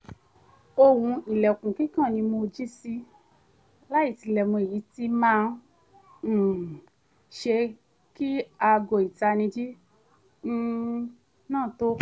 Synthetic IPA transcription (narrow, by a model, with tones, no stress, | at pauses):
o˧wũ˧i˨lɛ˨kũ˨kĩ˦kã˦˨nĩ˧mo˧d͡ʒi˦si˧ | la˦i˦˨ti˧˨lɛ˨mõ˧e˨ji˨˦ti˧˦mãː˦˨ | ʃe˧ | ki˦a˧ɡo˨i˨ta˧nĩ˧d͡ʒi˦ | nãː˦˨to˦